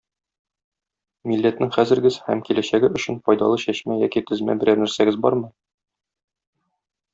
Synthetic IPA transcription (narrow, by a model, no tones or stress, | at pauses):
milːæt̪nɘŋχæzɘ̆ɾɡɘzhæmkilæɕæɡɘɵ̆ɕɘnfɒjd̪ɑlˠɤɕæɕmæjɒkit̪ɘ̆zmæ̰bɘ̆ɾænæɾsæɡɘzbɒ̰ɾmɤ